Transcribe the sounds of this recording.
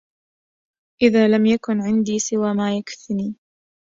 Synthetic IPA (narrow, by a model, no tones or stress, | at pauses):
ʔɪðaːlamjakʊnʕɪnd̪iːsɪwaːmaːjakθɪniː